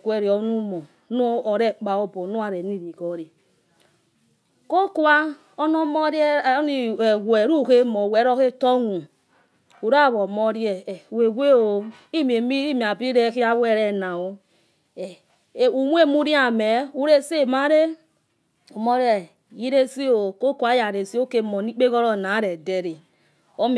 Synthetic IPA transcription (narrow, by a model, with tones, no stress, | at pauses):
kwe˨ɾi˨o˦nu˦mo˨ | nu˦o˨ɾe˦k͡pa˨o˦bo˨˦nu˦a˨ɾe˨ni˦ɾi˨ko˨ɾi˨ | ko˦ku˦a˦ | o˦no˦mo˦ɾe˦˨˦ni˨we˨ɾu˦˨ke˦mo˨we˨˦ɾo˦ke˦to˦ŋu˨ | u˨ɾa˦˨βo˨mo˦ɾi˦e˨we˨we˦o˨ | i˦m˨e˨mi˦i˦mi˨a˨bi˦ɾe˦ki˦a˦we˨ɾe˦na˨wo˦˨ | u˨mu˦e˦˨mu˦ɾi˦a˨me˨u˦ɾe˦se˦˨ma˦ɾe˦ | o˨mo˦ɾi˦ɛ˨ | ji˦ɾe˦si˦o˨ko˦ka˦ja˨ɾe˨si˦o˦ke˦mɔ˨ni˦k͡pe˦ɣɔ˦ɾɔ˦˨na˨˦ɾe˨de˦ɾe˨ | o˦m˨